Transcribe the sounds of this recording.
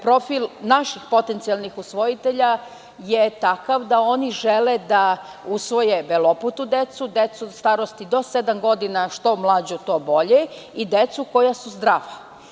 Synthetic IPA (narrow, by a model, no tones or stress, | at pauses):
pɾo̞filˠnaʃixpo̞t̪ent̪sialˠnixusʋo̞jit̪eʎa | jet̪akaʋd̪ao̞niʒeled̪a | usʋo̞jebeloput̪ud̪et̪sud̪et̪sust̪aːɾost̪id̪o̞sed̪amɡo̞d̪inaʃt̪o̞mlˠaːd͡ʑut̪o̞ːbo̞ʎeid̪et̪suko̞jasuzd̪ɾaːʋa